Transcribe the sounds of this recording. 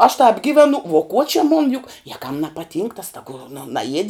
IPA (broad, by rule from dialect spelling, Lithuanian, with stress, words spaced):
ɐʃ tɑːp ˈɡʲɪʋʲɛnʊ ʋuɔ kuɔ t͡ʃʲɪ mʊn jʊk jɛ kɐm nʲɛpɐˈtʲiːŋk tɐs tɐˈɡʊ nʊ nɐˈjiɛdʲɪ